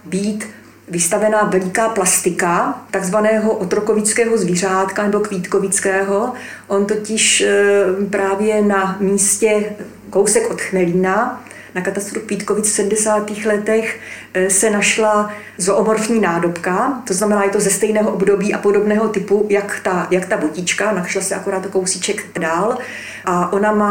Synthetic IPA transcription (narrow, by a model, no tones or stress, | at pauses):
biːt̪ | vɪst̪avɛnavɛlɪkaːplast̪ɪkat̪aɡzvanɛːɦo̞ʔot̪ɾo̞ko̞vɪt͡skɛːɦo̞zviːr̝aːt̪kanɛbo̞kviːt̪kovɪt͡skɛːɦo̞ | ʔont̪o̞cɪʃ | pɾaːvjɛnamiːscɛ | ko̞wsɛkʔo̞t̪xmɛliːna | nakat̪ast̪ɾukviːt̪kovɪt͡sfsɛdmdɛsaːt̪iːxlɛt̪ɛx | sɛnaʃla | zoʔomoɾfɲiːnaːdo̞pkat̪oznamɛnaːjɛt̪o̞zɛst̪ɛjnɛːɦoʔobdo̞biːʔapo̞do̞bnɛːɦo̞t̪ɪpujakt̪ajakt̪abocɪt͡ʃkanaʃlasɛakoɾaːt̪okowsit͡ʃɛkt̪daːl | ʔaʔo̞namaː